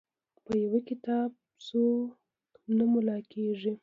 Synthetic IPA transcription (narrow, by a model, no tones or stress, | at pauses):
pəjawəkɪt̪ɑb̚ | t͡so | namʊlɑkʰeʐi